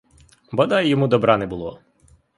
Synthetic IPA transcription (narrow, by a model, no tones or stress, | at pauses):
bɔd̪ɑjjɔmud̪ɔbɾɑnɛbulˠɔ